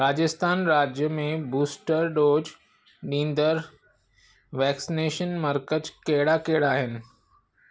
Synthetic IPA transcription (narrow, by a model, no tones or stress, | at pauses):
ɾaːd͡ʑəst̪aːnɾaːd͡ʑjəmẽbuːsʈəɾɖoːd͡ʑ | ɗĩːnd̪əɾ | ʋɛːksineːʃənmɐɾkətkeɦɪɽakeɦɪɽaːɦɪnɪ̆